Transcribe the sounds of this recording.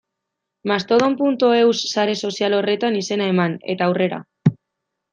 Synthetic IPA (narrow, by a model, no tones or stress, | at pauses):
mast̪o̞ð̞o̞mpunt̪oe̞wsːaɾe̞so̞sialo̞re̞t̪anise̞nae̞mane̞̰t̪aːwre̞ɾa̰